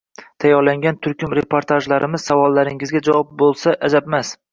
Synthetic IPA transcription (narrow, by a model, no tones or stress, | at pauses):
t̪ʰajɒɾlaŋɡʲant̪ʰʊɾkʲʊmɾepʰoɾt̪ʰaʒlaɾɪmɪz̥savɒlˠːaɾɪŋɪzɡʲad͡ʒawɒp̚bolˠsaʔad͡ʒ̪abmas